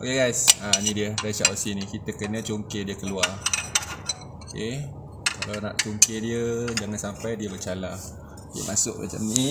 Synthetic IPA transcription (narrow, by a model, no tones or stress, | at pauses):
ʔokeɡajsanĩdiəɾasaʔosinikit̪əkənət͡ʃoŋkediəkəluar | oke | kalana̰ʔt͡ʃuŋkediəd͡ʒaŋansampajdiəbət͡ʃala | diə̰mʔasʊk̚ma̰t͡ʃa̰mni